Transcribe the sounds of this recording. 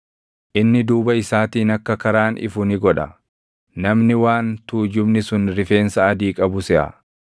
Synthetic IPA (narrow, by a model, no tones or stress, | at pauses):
ʔɪnːɪd̪uːbɐɪsaːt̪iːnɐkːɐkɐɾaːnʔɪ̰fʊnɪɡɔᶑɐ̰ | nɐmnɪwaːnt̪uːd͡ʒʊbnɪsʊnɾɪfe̞ːnsɐɐd̪iːkʼɐbʊsɛʔɐ̰